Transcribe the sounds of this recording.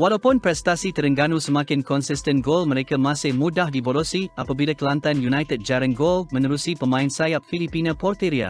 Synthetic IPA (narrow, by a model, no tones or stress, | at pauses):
walawpʊnpɾɛst̪asit̪əɾəŋɡanusəmakɪnkɔnsɪstə̃nɡolməɾekamasɪhmudahdibolosiapabilakəlant̪anjunajt̪əd̚d͡ʒaɾə̃nɡolmə̃nəɾusipəmãɪnsajap̚filipinãpɔrt̪eɾia̰